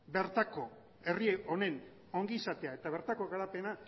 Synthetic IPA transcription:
be̞ɾt̪ako̞ | e̞rieʔo̞ne̞n | o̞ŋɡiːsat̪e̞ae̞t̪aβe̞ɾt̪ako̞ɣaɾape̞na

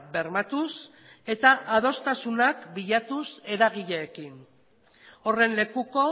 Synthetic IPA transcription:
be̞ɾmat̪us | e̞t̪aʔað̞o̞st̪asunakbiʎat̪use̞ɾaɣ̞iʎeːkin | o̞re̞nle̞kuko̞

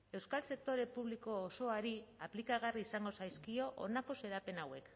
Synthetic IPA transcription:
e̞wskalse̞k̚t̪o̞ɾe̞puβliko̞ːso̞aɾiaplikaɣ̞ariːsaŋɡo̞sajskio̞ʔo̰nako̞se̞ɾape̞nawe̞k

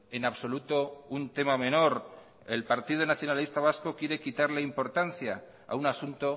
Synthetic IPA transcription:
e̞naβso̞lut̪o̞unt̪e̞mamẽ̞no̞ɾ | e̞lpaɾt̪ið̞onaθjo̞nalist̪aβ̞asko̞kje̞ɾe̞kit̪aɾleimpo̞ɾt̪anθja | a̰unasunt̪o̞

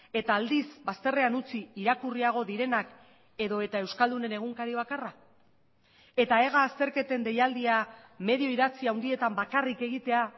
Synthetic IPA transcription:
e̞t̪aːld̪isbast̪e̞re̞anut͡siːɾakuriaɣ̞o̞ðiɾe̞nak | e̞ðo̞e̞t̪ae̞wskald̪une̞ne̞ɣ̞uŋkaɾiβ̞akara | e̞t̪ae̞ɣaːst̪e̞ɾke̞t̪e̞nd̪e̞jald̪iame̞ðio̞iðat͡siawnd̪ie̞t̪ambakarike̞ɣ̞it̪e̞a

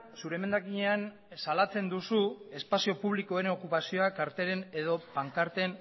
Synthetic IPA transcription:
suɾe̞me̞nd̪akiɲe̞an | salat͡se̞nd̪usue̞spasio̞puβliko̞eɾeo̞kupasio̞akaɾt̪e̞ɾe̞ne̞ðo̞paŋkaɾt̪e̞n

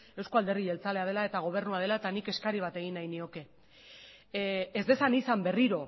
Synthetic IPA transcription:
ewskoald̪e̞riʝe̞lt͡sale̞að̞e̞lae̞t̪aɣo̞β̞e̞ɾnuað̞e̞lae̞t̪anike̞skaɾiβ̞at̪e̞ɣ̞inajnio̞ke̞ | ezd̪e̞sanisambe̞riɾo̞

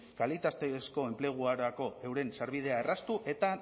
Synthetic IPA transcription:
kalit̪ast̪esko̞e̞mple̞ɣ̞uaɾako̞e̞wɾe̞nsaɾβið̞e̞aerast̪uʔe̞t̪a

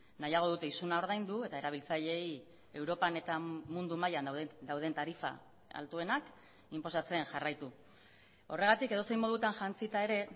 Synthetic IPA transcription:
najaɣ̞o̞ð̞ut̪e̞isunao̞ɾðajnd̪ue̞t̪ae̞ɾaβ̞ilt͡saʎe̞j | e̞wɾo̞pane̞t̪amund̪umajanwd̪awð̞ent̪aɾifa̰ | a̰lt̪ue̞nak | impo̞sat͡se̞nʝarajt̪u | o̞re̞ɣ̞at̪ike̞ð̞o̞se̞jmo̞ð̞ut̪anʝant͡sit̪ae̞ɾe̞

